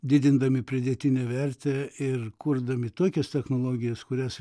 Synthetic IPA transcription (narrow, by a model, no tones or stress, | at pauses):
d̪ʲɪd̪ʲɪnd̪ɐmʲɪpʲɾʲɪd̪ʲeːt̪ʲɪnʲɛʋʲɛɾʲt̪ʲɛːɪrkʊɾd̪ɐmʲɪt̪oɔkʲɛst̪ʲɛxnoːlˠoːɡʲɪjɛskʊɾʲæs